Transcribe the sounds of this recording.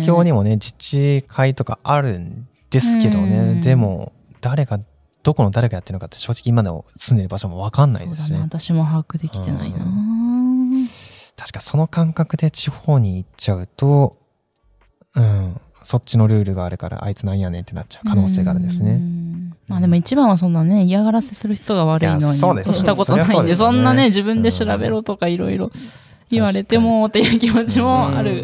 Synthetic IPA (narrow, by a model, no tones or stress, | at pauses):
kʲo̞ːɲ̟imo̞ne̞d͡ʑit͡ɕikʰait̪o̞ka̰aɾɯ̟̃n | d̪̥e̞sɨ̥ke̞d̪o̞ne̞d̪e̞mo̞̰ | d̪̥aɾe̞ɡa | d̪̥o̞ko̞nod̪aɾe̞kajat̪ːeɾɯnokat̪ːɕo̞ːʑi̥kʲiːmad̪e̞mo̞̰sɨ̃nd̪e̞ɾɯbaɕo̞mo̞βakãnːa̰id̪esnet̪aɕimoɦakɯd̪ekʲt̪ḛna̰ina | t̪ʰḁɕi̥kḁso̞no̞kãŋkakɯ̟d̪e̞t͡ɕiho̞ːɲ̟iːt͡ɕaɯ̟t̪o̞ | ɯ̟̃ɴ | so̞tt͡ɕːino̞ɾɯ̟ːɾɯ̟ɡaːɾɯ̟ka̰ɾa̰ʔa̰it͡sɨnãĩjane̞t̪ːe̞na̰t͡ɕaɯ̟kʰano̞ːse̞ːɡaːɾɯ̟̃nd̪esɨnemaːd̪e̞mo̞it͡ɕibãɰ̃βas̬õ̞nːane̞iaɣaɾase̞sɨɾɯ̟çi̥t̪oɡaβaɾɯ̟inoioːd̪esɕi̥t̪ako̞t̪oaĩd̪esõ̞nːane̞d͡ʑibɯ̟̃nd̪e̞ɕiɾabe̞̰ɾo̞ːt̪o̞kaiɾo̞̰iɾo̞ | iβaɾe̞t̪e̞mo̞t̪ːejɯ̟kʲimo̞t͡ɕimoa̰ɾɯ̟